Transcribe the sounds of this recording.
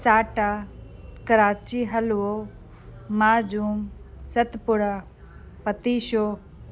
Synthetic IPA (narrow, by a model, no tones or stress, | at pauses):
saːʈaːkɐɾaːt͡ʃiɦɐlo | maːd͡ʒuːmsɐt̪pʊɽaː | pɐt̪iːʃoː